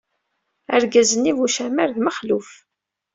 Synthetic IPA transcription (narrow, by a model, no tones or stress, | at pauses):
æɾɡæzənːivuʃæmæɾðməχluf